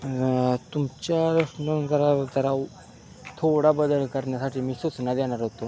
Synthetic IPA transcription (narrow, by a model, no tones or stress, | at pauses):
t̪umt͡ɕjaɾəʂnənd͡zəɾat̪əɾa | t̪ʰoɽabəd̪əlkəɾɳjasaʈʰiːmiːsut͡snad̪eɽ̃aɾɦot̪o